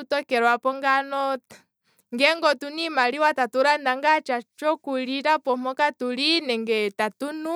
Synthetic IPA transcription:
utɔkɛɾwapɔŋɡanɔ | ŋɡɛŋɡɔtunimaliwatatuɾandaŋɡat͡ʃat͡ʃɔkuliɾapɔmɔkatulinɛŋɡɛtatunu

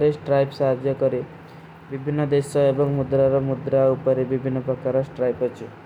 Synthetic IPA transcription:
ɾesʈɾajpsaɦad͡ʒjɔkɔɾi | bibʱinːɔd̪esɔebɔŋmud̪ɾaɾɔmud̪ɾaupɔɾebibʱinːɔpɾɔkaɾɔsʈɾajpɔt͡ʃʰi

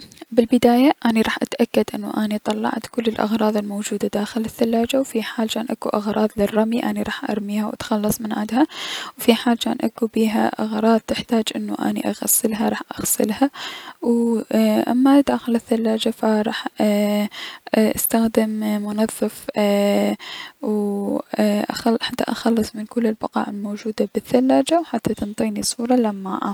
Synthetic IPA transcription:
bɪlbɪd̪aːjaʔaːniɾˤɑːħʔat̪ʔakːad̪ʔɪnːṵʔanit̪ˤɑlːɑ̰ʕt̪kʊlːɪlʔɑ̰ɣɾˤɑːðˤɪlmowd͡ʒuːd̪ad̪aːxɪlɪθːalːaːd͡ʒawfiħaːlt͡ʃaːnʔakuʔɑɣɾˤʔɑːðˤlɪrˤːɑmiʔaniɾˤɑːħʔɑ̰ɾˤmiːhawʔa̰t̪xɑlːɑsˤmɪnʕɪd̪hawfiħaːlt͡ʃaːnʔakubiːɦa̰ʔɑɣɾˤɑːðˤt̪ɪħt̪aːd͡ʒʔɪnːṵʔa̰ːnḭʔaɣa̰sːɪlɦaɾˤɑːħʔaɣsɪ̰lhaw | ʔa̰mːaʔɪd̪aʔaxɪlɪθːalːaːd͡ʒafaɾˤɑːħ | ʔast̪axd̪ɪmmʊnɑðˤːɪf | w | ʔħat̪ːa̰ʔɑxɑlːɨsˤmɪnkʊlːɪlbɑqɑ̰ːʕɪlmoːd͡ʒuːd̪abɪθːalːaːd͡ʒawħat̪ːat̪ɨnt̪ˤiːnisˤuːɾˤɑlamːa̰ːʔa̰

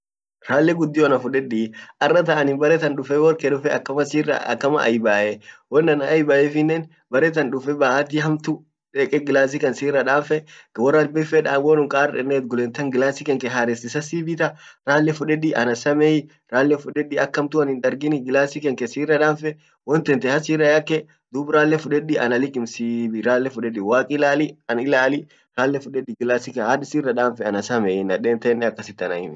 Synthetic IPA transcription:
ɾaːlːɛɡʊd̪ːɪɔnɐfʊᶑɛᶑiʔɐrːɐt̪ɐʔɐnɪnbɐɾɛt̪ɐnᶑʊfɛwɔɾkɛᶑʊfɛɐkːɐɐskːɐmɐ̰ʔɐ̰jbaːʔɛwɔnːɐnɐɐjbaːʔɛfɪnːɛn | bɐɾɛt̪ɐnᶑʊfɛbɐːʔat̪̬ɪɦɐmt̪ʊ | ᶑɛkʼɛɡɪlaːs̬ikɐnsiːrːɐᶑaːfɛwɔrːɐlbɛfɛᶑaːɡoːnʊŋkʼaːrɛnːeːt̪ɡʊlɛːnt̪ɐŋɡɪlaːsɪkɛŋkɛɦaːɾɛst̪ɪsɐsiːbɪt̪ɐɾaːlːɛfʊᶑɛᶑiʔɐnɐsɐmɛjɪ | ɾaːlːɛfʊᶑɛɗɪɐkːɐmt̪ʊɐnɪnᶑɐɾɡɪnɪɡɪlaːsɪkɛŋkɛsiːrːɐᶑaːnfɛ | wɔnt̪ɛnt̪ɛhɐsiːrːɐjɐkːɛ | d̪uːbɾaːlːɛfʊᶑɛᶑɪʔɐnɐlɪkʼːɪmsiːbiɾaːlːɛfʊᶑɛᶑɪwaːkʼɪlaːlɪɐnɪlaːlɪ | ɾaːlːɛfʊᶑɛɗɪɡɪlaːsɪkɐhaᶑɪsiːrːɐᶑaːnfɛɐnɐsɐmɛɪnɐᶑeːnt̪ɛnːɛɐkːɐsɪt̪ːɐnɐ̰hɪmɪ

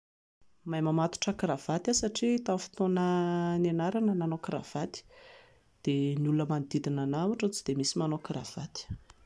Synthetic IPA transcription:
majmamat̪u̥ʈ͡ʂəkirav̥at̪asaʈ͡ʂit̪afi̥t̪onənenaɾanənanokira̰v̥at̪i̥ | d̪̥enulunəmand̪id̪inanawaʈ͡ʂət͡sid̪̥emisimanokira̰v̥at̪i̥

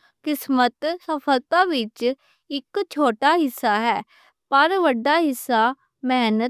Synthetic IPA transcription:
kɪsmət̪səpʰəlt̪aːʋɪt͡ʃ | ɪkt͡ʃʰoːʈaːɦɪsːaːɦɛː | pəɾʋəɖːaːɦɪsːaː | mɛːnə

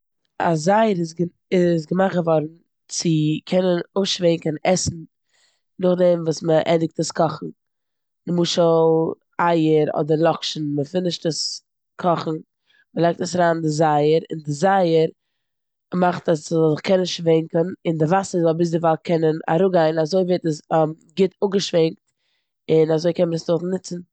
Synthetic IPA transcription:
a̰zaɪəɾɪs̬ɡ | ɪs̬ɡəmaχɡəvɔɾn̩ | t͡sɪkʰɛnənoʃvɛɪŋkənɛsn̩ | nʊχdɛmvuːsməʔɛdɪk̚təskʰɔχn̩ | nɪmuːʃəlˠ | aɪəɾɔ̰dəɾlˠɔkʃn̩məfɪnɪʃtəs | kʰɔχn̩ | məlˠaɪk̚təsaɾaːndɪzaɪəɾɪ̰ndɪzaɪəɾ | maχtaszzɪχkʰɛnnɪsʃʃvɛŋkənɪndɪvasəzɔlˠbɪs̬dɪvalˠkʰɛnəna̰ɾuɡaɪnazoɪveɪtəs | ɡɪtʊɡəʃvɛŋk̚t | ɪnazoɪkɛnməəsdʊχnɪt͡sn̩

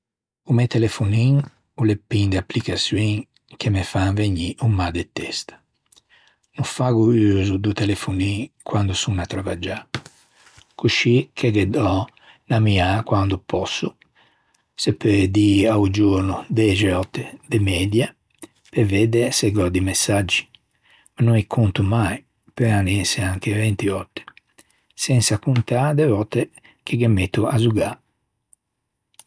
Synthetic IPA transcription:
umet̪elefuniŋ | ulepːind̪apːlikasjuwiŋ | k̟ʰemefaŋveɲiʔumad̪et̪ːɛst̪ | nufaɡuyːzud̪ut̪elefunikwand̪usunat̪ɾɔvad͡ʒa | kuʃikʰeɡed̪ɔ | namiakwand̪upʰɔsːu | sɛpːeɾd̪iaud͡ʒuɾnud̪ɛd͡ʒɛɔt̪ːɛd̪ɛmɛd̪ja | pɛvɛd̪ɛsɛɡɔd̪imɛsːad͡ʒːi̥ | manɔnikʰunt̪umaj | pɛɾaneseaŋk̟evɛnt̪iɔt̪ːɛ̥ | sɛnsakunt̪ad̪ɛvɔt̪ːɛ | k̟ʰiɡɛmɛt̪ːuazuɡa

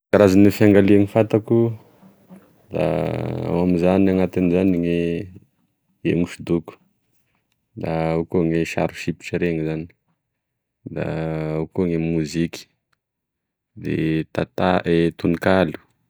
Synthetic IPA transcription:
kaɾazanefjaŋɡaleaŋifat̪aku | d̪a̰a̰mamizaniaŋat̪anizaniŋe | ḛmuʃid̪uku̥ | d̪aukuŋeʃa̰ɾʃipi̥ʈ͡ʂiɾeŋizani̥ | d̪a̰ukuŋemuzikʲi̥ | d̪ḛt̪at̪aet̪unikalu̥

